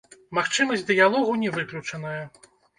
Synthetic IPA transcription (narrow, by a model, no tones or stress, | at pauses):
maxt͡ʂɨmɐsʲd̪ɨjalˠɔɣunʲɛvɨklʲut͡ʂɐnɐjɐ